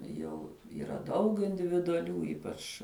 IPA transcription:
ˈjɛʊ iːˈrɐ ˈdɐʊk ɪnʲdʲɪʋʲɪdʊɐˈlʲuː ˈiːpɐt͡ʃ

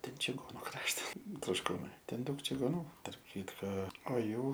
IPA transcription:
ˈtʲɛn t͡ʃʲɪˈɡoːnʊ ˈkrɑːʃtɐs troːʃˈkuːnɐɪ ˈtʲɛn ˈdɐʊk t͡ʃʲɪɡoːˈnuː tɐrp ˈkʲiːtkoː oː ˈjuː

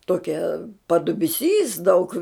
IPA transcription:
ˈtoːkʲɛ pɐdʊbʲɪˈsʲiːs dɐʊk

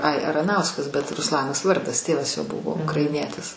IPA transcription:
ɐɪ ɐrɐˈnɐʊskɐs bʲɛt rʊsˈlˠɑːnɐs ˈʋɐrdɐs ˈtʲeːʋɐs joː ˈbʊʋoː ʊkrɐɪˈnʲiɛtʲɪs

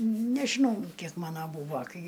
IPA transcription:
nʲɛʒʲɪˈnɐʊ ˈkʲiɛk ˈmɑːnɐ ˈbuːʋɐ ˈkɐɪ

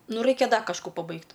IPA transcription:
ˈnʊ ˈrɐɪkʲɛ ˈdɐ kɐʃˈkuː pɐˈbɐɪkt

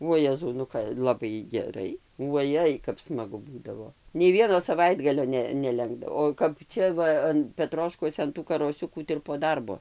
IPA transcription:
uɔ ˈjæːzɐʊ nʊ ˈkɐ lˠɐˈbɐɪ ɡʲɛˈrɐɪ uɔˈjɛɪ kɐp smɐˈɡʊ ˈbuːdɐʋoː nʲɛɪ ˈʋʲiɛnoː sɐˈʋɐɪdɡɐlʲoː ˈnʲɛ nʲɛˈlʲɛŋɡdɐʋoː oː kɐp ˈt͡ʃʲɛ ˈʋɐ ɐn pʲɛˈtroːʃkuɔsʲɛ ɐn tuː kɐroːˈsʲʊkuː tɐɪ ɪr poː ˈdɐrboː

